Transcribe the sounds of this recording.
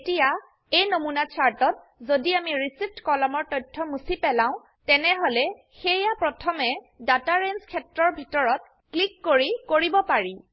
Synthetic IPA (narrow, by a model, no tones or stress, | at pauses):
tija | ejnomunat͡ʃʰaɹtɔt̚ | zodiamiɹisip̚ʰtkɔlɔmɔɹtɔjtʰːɔmusipɛlãʊ̃ | tɛnɛɦolɛ | xejapɹɔtʰɔmɛ | dataɹenskʰɛtɹɔɹbʱitɔɹɔt̚ | klikːoɹikoɹibɔpaɹi